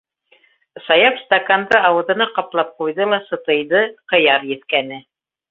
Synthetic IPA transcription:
sɑjɑpst̪akand̪ɤɑwɤ̆ðɤ̆nɑqɑplˠɑp̚qujðɤlˠɑsɤ̆t̪ɤ̆jðɤqɤ̆jɑɾjɘ̆t̪kænɘ

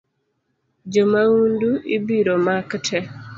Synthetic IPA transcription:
d͡ʒomaunduʔibiɾomaktʰɛ

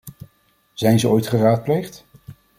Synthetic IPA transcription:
z̥ɛjnzəɔjtχəraːt̚plejχt

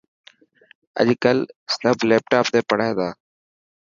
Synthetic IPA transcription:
ə̰ʄkəlsəbʱleːp̚ʈaːpt̪eːpəɽ̤aːd̪aː

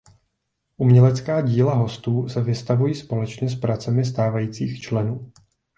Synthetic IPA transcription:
ʔumɲɛlɛt͡skaːɟiːlaɦo̞st̪uːsɛvɪst̪avujiːspo̞lɛt͡ʃɲɛs̬pɾat͡sɛmɪs̬t̪aːvajiːt͡siːxt͡ʃlɛnuː

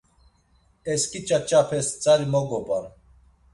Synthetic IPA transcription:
ɛskʼit͡ʃʼat͡ʃʼapʰɛst͡sʼaɾimɔɡɔbʼan

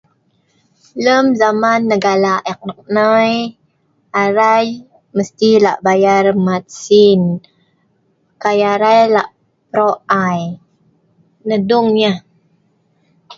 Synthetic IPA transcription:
ləmzamanːəɡalaʔɛk̚nək̚nəj | aɾaj | məst̪ilaʔbajarmat̪̚sin | kajaɾajlaʔ | pɾoʔaj | nəduŋɲa

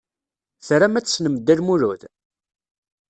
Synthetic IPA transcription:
θɾamæt͡sːsnəmd̪ːilmuɾuð

